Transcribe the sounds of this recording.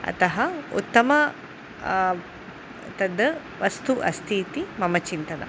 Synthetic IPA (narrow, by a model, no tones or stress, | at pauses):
ɐ̰t̪ɐɦɐṵt̪ːɐmɐ | t̪ɐd̪ɐ | ʋɐst̪uʔɐst̪ʰiːt̪imɐmɐt͡ʃint̪ɐnɐ̰